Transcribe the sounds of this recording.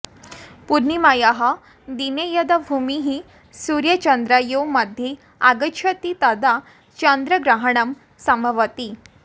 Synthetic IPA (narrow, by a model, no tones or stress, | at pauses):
puɾnimajaɦa | d̪inejəd̪abʱumiɦi | suɾjət͡ɕənd̪ɾajowməd̪ʱje | aɡət͡ɕʰət̪it̪ad̪a | t͡ɕənd̪ɾəɡɾaɦəɳəm | səməʋət̪i